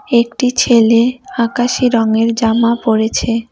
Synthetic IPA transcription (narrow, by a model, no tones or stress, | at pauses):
ek̚ʈit͡ɕʰeleakaʃiɾɔŋeɾd͡ʑamapoɾet͡ɕʰe